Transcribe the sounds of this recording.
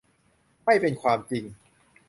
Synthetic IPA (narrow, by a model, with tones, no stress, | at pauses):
ma˥˩jpe˧nkʰwaː˧mt͡ɕi˧ŋ